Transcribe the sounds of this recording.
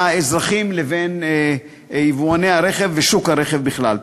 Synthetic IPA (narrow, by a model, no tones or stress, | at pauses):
aezʁaχimleve̞n | ivuaneaɾeχevːeʃukhaɾe̞χevbiχlal